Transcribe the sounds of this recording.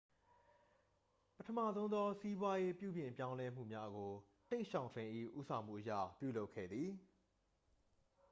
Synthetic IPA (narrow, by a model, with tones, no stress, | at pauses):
pətʰəmä̰˦˨zõ˦ʊ̃nɔ˦si˦bwa˦je˦pjṵ˦˨bjɪ̃˨mpjã˦ʊ̃lɛ˦m̥ṵ˦˨mja˦ʔɡo˨ | tẽ˦˨ʃã˨ʊ̃ntʰwɪ̃˨ʔḭ˦˨ʔṵ˦sʰã˨m̥ṵ˦˨ʔəjä̰˦˨pjṵ˦˨lo˦ʊkʰːɛ̰˦˨d̪ði˨